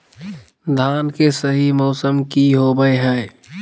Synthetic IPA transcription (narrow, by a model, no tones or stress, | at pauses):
d̪ʱaːnkesəɦimɔːsəmkiɦobəeɦɛː